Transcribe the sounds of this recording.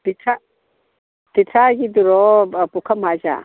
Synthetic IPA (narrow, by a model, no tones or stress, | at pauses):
t̪itʰa | t̪itʰaɡid̪uɾɔpukʰamad͡ʒa̰